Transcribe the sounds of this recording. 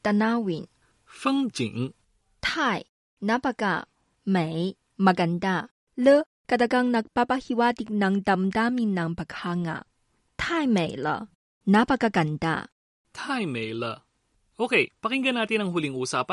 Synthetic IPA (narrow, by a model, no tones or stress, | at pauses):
t̪anawin | fɯŋd͡ʒḭŋ | t̪ʰaj | napaka̰ | mɛj | maɡanda | lɯ | kat̪akaŋnak̚papahiwat̪ik̚naŋdamdaminaŋpakʰaŋa̰ | t̪ʰajmɛjlə̰ | napakakanda̰ | t̪ʰajmejlə | ʔokʰepakiŋɡənat̪inaŋɦuliŋusapa